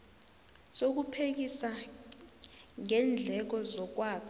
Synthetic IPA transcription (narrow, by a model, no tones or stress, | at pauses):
sok̬upʰek̬isa | ŋɛnd͡ɮʱɛk̬ɔzɔk̬waːkʰ